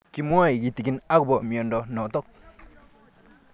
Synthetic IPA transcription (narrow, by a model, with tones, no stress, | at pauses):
ki˨mo˦i˨ɡi˨ti˨ki˦na˦ku˨bɔ˨mjɔ˨ndɔ˨nɔ˨tɔ˦˨k̚